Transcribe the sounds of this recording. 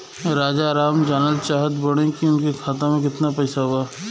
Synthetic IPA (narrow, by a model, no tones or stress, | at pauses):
ɾaːd͡ʒaːɾaːmd͡ʒaːnəlt͡ʃaːɦət̪bɐɽ̃ẽkiʊnkekʰaːt̪ãmẽkɪt̪napɛːsaɦuaː